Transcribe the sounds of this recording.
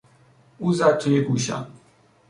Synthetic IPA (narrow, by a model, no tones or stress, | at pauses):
uzat̪ʰujeɡuɕa̰